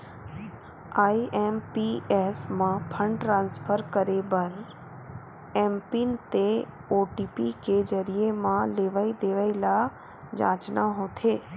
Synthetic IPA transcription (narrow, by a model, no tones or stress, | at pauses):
aiʔempiesmãpʰə̃ɳɖʈɾãːnspʰəɾkəɾebəɾ | empint̪e | oʈipiked͡ʒəɾijemãleʋaid̪eʋaila | d͡ʒã̰ːt͡ʃnaɦot̪ʰeː